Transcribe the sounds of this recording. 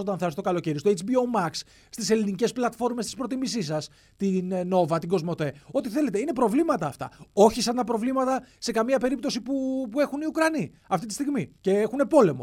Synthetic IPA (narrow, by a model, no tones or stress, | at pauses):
o̞t̪ɐnθɐst̪okɐlo̞ce̞ɾiost̪oet͡sbiomɐks | st̪ise̞linice̞splɐt̪fo̞ɾme̞st̪i̥spɾo̞t̪imisisɐs | t̪inno̞vɐt̪iɡo̞zmo̞t̪e̞o̞t̪iθe̞le̞t̪einepɾo̞vlimɐt̪ɐːft̪ɐ̰o̞çisɐnt̪ɐpɾo̞vlimɐt̪ɐse̞kɐmiɐpe̞ɾip̚t̪o̞sipupue̞xuniukɾɐni | ɐft̪it̪i̥st̪iɣmice̞exune̞po̞le̞mo̞̰